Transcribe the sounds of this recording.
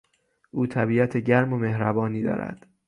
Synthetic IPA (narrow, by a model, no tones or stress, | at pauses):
ʔuːt̪ʰæbiːæt̪ʰeɟæɾmome̞hɾæbɒːniːd̪ɒ̰ːɾæ̰d̪̥